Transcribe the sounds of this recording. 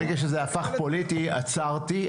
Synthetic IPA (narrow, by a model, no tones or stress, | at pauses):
eɡaʃ̬ezeafaχpolitia̰t͡saʁti